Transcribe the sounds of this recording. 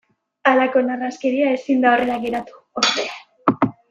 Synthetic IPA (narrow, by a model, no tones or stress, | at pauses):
alako̞naraskeɾiae̞sind̪ao̞re̞laɡe̞ɾat̪u̥ | oɾt̪e